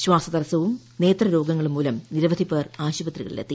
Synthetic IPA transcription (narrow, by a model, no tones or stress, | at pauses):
ɕwaːsɐd̪ɐɾɐsɐʋum | ne̞ːt̪rɐɾo̞ːɡɐŋːɐɭumːuːlɐmniɾɐʋɐd̪ʱipːeːraːɕubɐt̪riɣɐ̰ɭḭlḛt̪ːi